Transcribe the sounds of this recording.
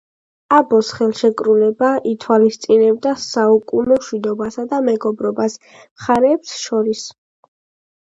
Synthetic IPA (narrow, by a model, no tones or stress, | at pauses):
abɔsχɛlˠʃɛkʼɾulɛbaʔit̪ʰwalist̪sʼinɛb̚d̪asaukʼunɔmʃwid̪ɔbasad̪amɛɡɔbɾɔbas | mχaɾɛːpsʃɔɾis